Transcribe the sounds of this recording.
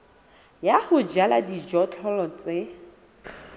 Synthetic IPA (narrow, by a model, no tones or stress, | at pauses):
jaχʊd͡ʒala̰did͡ʒɔt͡ɬʰɔlɔt͡sʼɪ